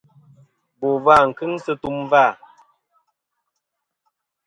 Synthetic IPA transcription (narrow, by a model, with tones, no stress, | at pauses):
bo˨va˦˨ŋ̩˨kɨ˦ŋsə˦tu˦˨mva˦˨